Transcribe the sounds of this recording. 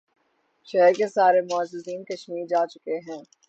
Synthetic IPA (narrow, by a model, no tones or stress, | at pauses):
ʃɛɦəɾkesaːɾemʊəzɪziːnkɐʃmiːɾd͡ʒaːt͡ʃʊkeɦɛ̃ː